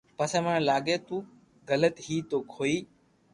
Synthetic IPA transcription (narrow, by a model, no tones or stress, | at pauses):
pəsə̃mə̃ɳlaːɡeːt̪ũː | ɡələt̪ɦiːt̪oːkʰoːiː